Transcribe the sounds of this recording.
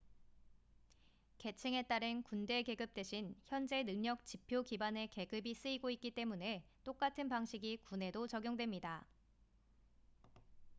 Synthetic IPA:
ke̞t͡ɕʰiŋe̞t͈aɾɯnkunde̞ke̞ɡɯp̚t͈we̞ɕʰinçjʌnd͡ʑe̞nɯŋɲʌk̚t͡ɕipʰjokibane̞ke̞ɡɯbis͈ɯiɡoik͈̚it͈e̞mune̞t͈ok͈atʰɯnpaŋɕʰiɡikune̞dot͡ɕʌɡjoŋdwe̞mɲida

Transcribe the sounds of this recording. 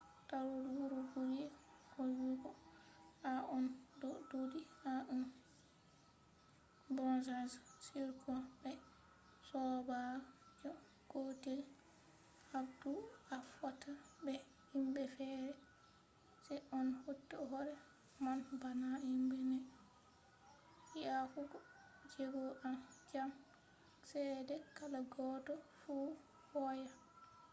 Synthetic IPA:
taɾodwuɾuɡuɾihɔjuɡɔ | aʔɔndɔdudihaʔun | bɔnsɛnssiɾkubɛ | sɔbad͡ʒɔ | ɡ̥otil | habduafɔtʰabɛ | himbɛfɛɾɛ | sɛʔɔnhotːɔɦɔɾɛ | manbanaimbɛnɛ | iafuɡɔd͡ʒeɡɔʔamd͡ʒam | sɛdɛkalaɡɔdɔfu | hɔja

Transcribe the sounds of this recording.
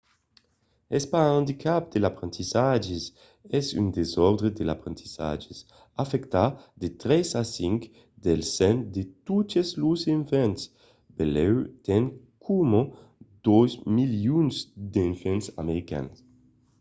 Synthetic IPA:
espãnd̪ikʰap̚d̪elapɾent̪isad͡ʒes | ɛzynd̪ezɔɾd̪ɾed̪elapɾẽnt̪iza̰d͡ʒes | afɛkt̪ad̪et̪ɾɛsasiŋk | d̪elsɛnd̪et̪ut̪ezluseɱfɛns | belɛwt̪ɛŋ | kʰumo | d̪̥ozmiljunsd̪eɱfɛnsa̰meɾika̰ns

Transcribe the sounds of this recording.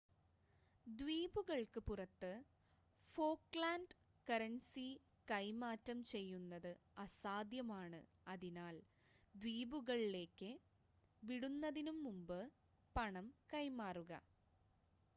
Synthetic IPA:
d̪ʋiːbuɣɐɭkɨpurɐt̪ːɨ | fo̞ːkɭaːnɖ | kɐɾɐnsi | kɐjmaːtːɐmt͡ɕe̞jːunːɐðɨɐsaːd̪jɐmaːɳɨ̰ | ɐðinaːl | d̪ʋiːbuɣɐɭile̞ːkːɨ | ʋiɽunːɐðinumːumbɨ | pɐɳɐmkɐjmaːruɣɐ̰

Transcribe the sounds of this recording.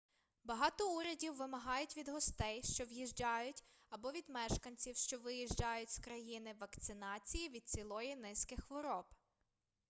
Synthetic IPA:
bɐɦɑt̪ɔuɾʲɐdʲiwːɪmɐɦɑjʊtʲʋʲid̪ɦɔst̪ɛjʃt͡ʃɔʋjiʒd͡ʒɑjʊtʲ | ɐbɔʋʲid̪mɛʃkɐnʲt͡sʲiwʃt͡ʃɔʋɪjiʒd͡ʒɑjʊtʲskɾɐjinɪʋɐkt̪sɪnɑt͡sʲijiʋʲid̪̚t͡sʲilˠɔjinɪskɪxʋɔɾɔb

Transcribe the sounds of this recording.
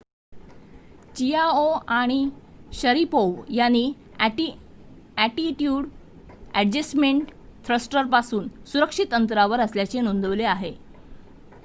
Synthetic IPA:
t͡ɕiaoaɽ̃iɕəɾipoʋjanːiː | ʈi | æʈiʈjuːɽ | æɖd͡ʑesmeɳʈt̪ʰɾəsʈəɾpasuːnsuɾəkʂit̪ənt̪ɾaʋəɾəsljat͡senond̪əʋleaɦe

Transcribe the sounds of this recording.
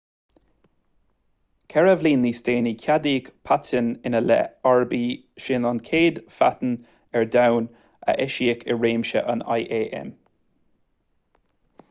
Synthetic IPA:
kʰɛɹəvliːnliːsteːnikʲʰadiːkpʰatənɪnəlɛ̰aɹbiː | ʃɪnankʰeːd̪fa̰t̪n̩ | ɛɹdawn | ə̰ʔɛʃiɪkʰɪ̰ɹeːmʃə̰ʔə̰na̰jʔeːʔɛ̰m

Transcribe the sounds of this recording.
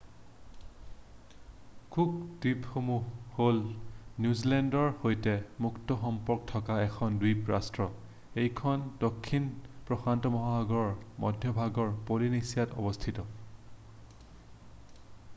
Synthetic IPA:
kʰubd̥ipxomuholnjuzilɛndɔɹhojtɛmuktɔxɔmpɔɹkɔtʰɔkaɛkʰɔndwijpɹastɹɔ | ejkʰɔndokʰːinpɹɔxantɔmɔɦaɦaɡɔɹɔɹmɔdʱjɔbʱaɡɔɹpolinisijatɔ̰bɔstʰitɔ

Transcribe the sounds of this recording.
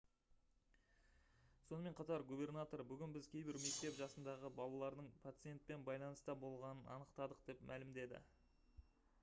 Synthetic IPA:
so̞nəme̞ɴqʰɑt̪ɑɾɡube̞rnat̪o̞ɾbʏɡʲɪnbɪzkʲʰe̞jbɪɾme̞k̚t̪e̞pʒɑsənd̪ɑʁəbɑlˠɑlˠɑɾd̪əɴpʰat̪sɨje̞nt̪̚pe̞nbɑjlˠɑnəst̪ɑbo̞lˠʁɑnənɑ̰nəqt̪ɑd̪əqd̪̥e̞pmʔælɪmd̪e̞d̪ɪ̰

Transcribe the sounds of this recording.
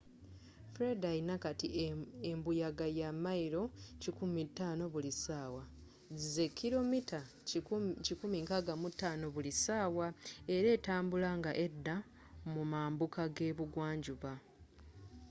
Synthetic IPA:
fɾe̞dainakatiembujaɡajamaiɾo̞cikumitːaːno̞βulisaːwa | zize̞kʰːilo̞mita | cikumiŋkaɡamutːaːno̞βulisaːwae̞ɾe̞ːtaːmbulaŋɡaʔe̞dːa | mumaːmbukaɡe̞ːβuɡwaːɲɟuβa

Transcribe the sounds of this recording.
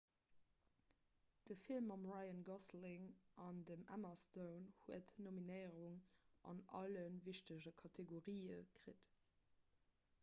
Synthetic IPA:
d̥əfilmɑmʁaɪənɡɑslɪŋʔɑndəmæ̰mɐstəʊnhuətnominəɪʁuŋʔɑ̰nʔɑ̰lənviɕtəʑəkʰɑtʰeɡoʁiːə̰kʁ̥it

